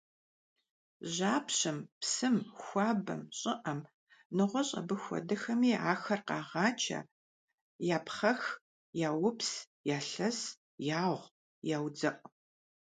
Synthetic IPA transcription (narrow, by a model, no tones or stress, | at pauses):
ʑaːpɕɨmpsɨmxʷɑːbɐ̰mɕʼɪʔɐm | nɨʁʷɔɕʼɐ̰bɨxʷɔ̰dɐxɐmiːaːxɐrqɑːʁɑːt͡ʃʰɐ̰ | jaːpχɐx | jaːwʊps | jaːɬɐs | jaːʁʷ | jaːwd͡zɐʔʷʼ